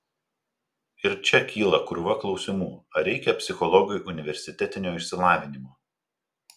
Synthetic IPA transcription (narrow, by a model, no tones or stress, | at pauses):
ɪɾt͡ʃʲɛkʲiːlˠɐkʊɾʊʋɐklˠɒʊsʲɪmuːɐɾʲɛɪkʲɛpʲsʲɪxɔlˠɔɡʲʊjʔʊnʲɪʋʲɛɾʲsʲɪt̪ʲɛt̪ʲɪnʲoːɪʃʲsʲɪlˠɑːʋʲɪnʲɪmoː